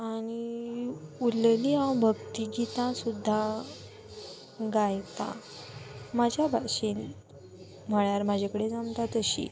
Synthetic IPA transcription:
aɽ̃i | ulliãwbʱəɡt̪iɡit̪ãsud̪ʱːa | ɡajt̪a̰ | mad͡ʑʱjabʱaɕen | m̤əɭjaɾmad͡ʑʱekəɽed͡zãmt̪at̪əɕḭ

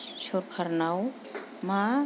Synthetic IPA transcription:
ʃʰoɾkʰəɾnaw | ma

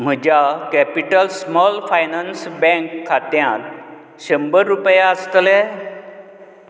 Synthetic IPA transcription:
m̤əd͡ʑjakæpiʈəlsmɔlfajnansbɛ̃ŋkʰːat̪jãt̪ | ɕəmbəɾːupjaəst̪lɛ

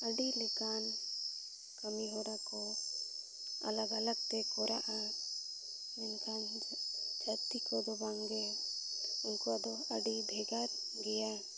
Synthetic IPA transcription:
əɖilɛkan | kəmiɦɔɾakɔ | a̰laɡalaɡ̚t̪ɛkɔɾaʔa | mɛnkʰan | d͡ʒʱat̪ikɔd̪ɔbaŋɡɛ | unkɔad̪ɔəɖibʱɛɡaɾ | ɡɛja

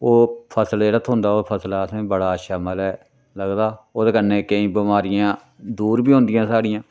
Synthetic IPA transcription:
oːpʰəslelət̪ʰɦõːnd̪aːoːpʰəslaːsẽːbəɽaːʃaməlɛː | ləɡd̪aːoːd̪eːkənːeːkəĩːbəmaːɾɪjãː | d̪uːɾbiːɦõːnd̪ɪjãːsaːɽɪjãː

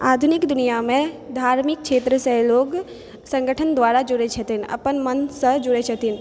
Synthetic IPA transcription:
aːd̪ʱunɪkd̪ʊnijamẽd̪ʱaːɾmɪk̚ʃeːt̪ɾəsẽloːɡ | sə̃ŋɡəʈʰənd̪ʋaːɾad͡ʒʊɾet͡ʃʰɐt̪inɐ̰pənmənsəd͡ʒʊɾet͡ʃʰət̪in

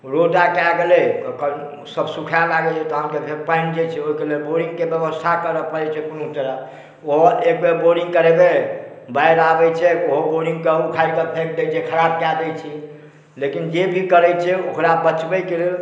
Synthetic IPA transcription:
ɾotakeaɡelɛk | səbsukʰamaɡɛt͡ʃʰɛt̪ɔɦamkepʰeɾpãɪ̃ɳʈd͡ʒet͡ʃʰɛoikelelboɾĩŋɡkebjəbəst̪ʰakəɾəpəɾɛt͡ʃʰɛpunot̪əɾa | oɦek̚beboɾĩŋɡkəɾebe | bajɾabɛt͡ʃʰɛkoɦoboɾĩŋɡkəukʰalkəpʰek̚d̪et͡ʃʰɛkʰəɾab̚kad̪ɛjt͡ʃʰi | lekind͡ʒebʱikəɾɛjt͡ʃʰɛokɾabət͡ʃbɛkele

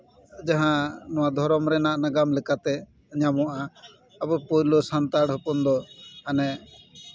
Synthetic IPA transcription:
d͡ʒaɦãnɔwad̪ʱɔɾɔmɾɛnaʔnaɡamlɛkat̪ɛ | ɲamɔʔa | abɔpɔjlosant̪aɽɦɔpɔnd̪ɔanɛ

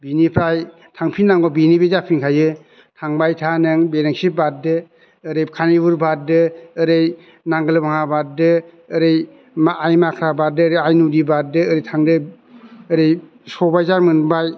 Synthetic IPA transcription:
binipʰɾaj | tʰaŋpʰinːaŋɡɔbinibezapʰiŋkʰajɯ | tʰaŋbajtʰanɯŋbeɾɯŋsibat̚dɯː | ɾɯjkʰanibuɾbat̚dɯːɾɯj | naŋɡɯlɯbaŋabat̚dɯː | ɾɯj | maajmakʰɾabadɯːɾɯjajnudibat̚dɯːɾɯjtʰaŋdɯː | ɾɯj | sɔbajzaɾmɯnbaj

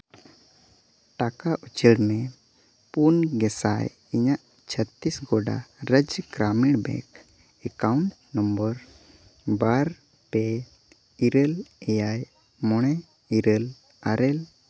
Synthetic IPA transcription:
ʈakaʔut͡ʃəɽmɛ̃ | punɡɛsaj | iɲaʔ | t͡ʃʰət̪ːisɡɔɖa̰ɾəd͡ʒɡɾamiɽbɛ̰k | ɛkauɳʈ | nəmbəɾ | baɾ | pɛ | iɾəlejaj | mɔɽ̃ɛ | iɾəl | aɾɛl

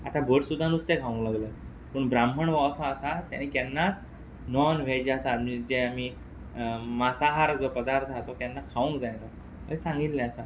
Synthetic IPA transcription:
a̰t̪abʱəʈsud̪ʱːanust̪ekʰaʋũŋklaɡlə | pəɳbɾamɦəɳʋɔsɔ̃asat̪ja̰nikjanːat͡s | nɔnʋ̤ed͡ʑasamid͡ʑeami | masaɦaɾd͡zopəd̪aɾt̪ʰat̪ɔkjanːakʰaʋũŋkd͡zajna | ə̰ɾisãŋɡit̪lɛasa

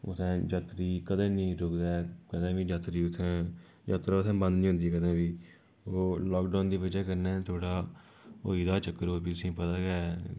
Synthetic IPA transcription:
ʊ̰sʰɛ̃ːd͡ʒət̪ɾiːkəd̪ẽːnĩːɾoːkd̪aːkəd̪ẽːʋiːd͡ʒat̪ɾiːʊt̪ʰɛ̃ː | d͡ʒaːt̪ɾaːsʰɛ̃ːbə̃nd̪nĩːɦʊ̃nd̪iːɛːkəd̪ẽːʋiː | oːlɔːkɖaːnd̪iːʋɪd͡ʒɛːkəɾnɛːt̪ʰoːɽaː | o̰ːiːd̪aːt͡ʃəkːəɾoːpiːt̪ʊsĩːpət̪aːɡɛː

